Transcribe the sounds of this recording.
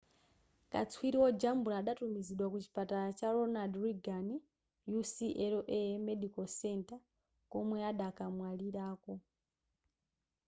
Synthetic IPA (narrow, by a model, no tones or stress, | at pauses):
kʼa̰t͡sʰwiɾiwɔd͡ʒambuɾaːɗatumiziɗwakut͡ʃi̥pʼataɾat͡ʃaɾɔnadriɡani | jusiʔɛɾɔʔɛmɛɗikɔsɛntʼa | kɔmwɛaɗakamwaliɾaːkɔ